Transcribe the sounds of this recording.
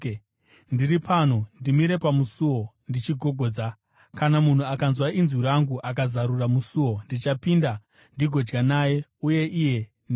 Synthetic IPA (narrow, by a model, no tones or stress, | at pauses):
ndiɾipʰan̤ondimiɾe̞pamusuwo̞ | ndit͡ʃiɡʱo̞ɡʱo̞ːd͡za | kanamun̤uakanzwaʔinzwiɾaŋɡuʔak̬azaɾuramusuwo̞ndit͡ʃapinda | ndiɡʱo̞d͡ʒɡanaːje̞uje̞ʔije̞ | n